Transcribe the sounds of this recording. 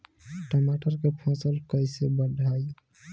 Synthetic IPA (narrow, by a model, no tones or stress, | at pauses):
ʈəmaʈəɾkepʰɔ̃səlkəjsebəɖʱaj